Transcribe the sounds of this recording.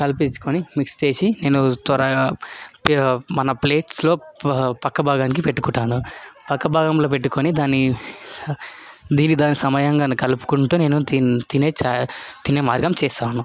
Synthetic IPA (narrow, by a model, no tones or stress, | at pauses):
kɐlpit͡ʃːu̥konimikst͡ʃe̞ːsine̞ːnut̪ɐɾɐpmɐnɐple̞ːʈslo̞ːpɐkːɐbʱaːɡaːnik̬ipeʈːu̥kuʈːaːnupɐkːɐbʱaːɡɐmlo̞ːp̬e̞ʈːuko̞nid̪aːnːi | d̪iːnːid̪aːnːisɐmɐjɐŋɡaːnikɐlupu̥kuɳʈuːne̞ːnut̪ineːt͡ʃːt̪ineːmaːɾɡɐmt͡ʃɛːst̪aːnu